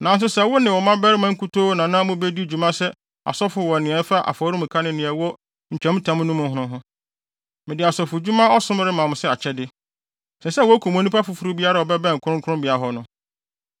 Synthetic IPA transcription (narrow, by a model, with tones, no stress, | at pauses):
nã˨n˦s̬ʊ˦sɛ˦wʊ˦nɪ̃˨wɔ˨mã˦bɛ˦ɾɪ˦mã˦ŋ̩˦kʰʊ˦tʰo˦nã˨nã˦mʊ̃˦be˦di˦˨d͡ʑᶣu˨mã˦sɛ˦ | a̰˨sɔ˦fʊ˨wɔ˨nɪ̃˨ɛ˨˦fa˦ʔa̰˨fɔː˨˦ɾʊ˦mʊ̃˨kʰa˦nɪ̃˦nɪ̃˨ɛ˨wɔ˦ | ɲ̩˨t͡ɕᶣɛ̃˨˦m̃˦tʰã˨˦m̃˦nʊ̃˦mʊ̃˦ɦʊ̃˦nʊ̃˦ɦʊ̃˦ | mɪ̃˨dɪ˨a˨sɔ˨fʊ˨d͡ʑu˦mã˦ɔ˦sʊ̃˦m˦ɾɪ˦mã˨mʊ̃˨sɛ˦a˨t͡ɕʰɛ˦dɪ˦ | sɛ˨sɛ˦wɔ˨˦kʰu˨m˨õ˨nĩ˦pa˦fʊ˨fu˨ɾu˦bi˦a˦ɾa˦˨ɔ˨bɛ˦bɛ̃˦˨ŋ̩˨kʰʊ˦ʊ̃˦kʰʊ˦ʊ̃˦bɪ˨a˨˦ɦɔ˦nʊ̃˦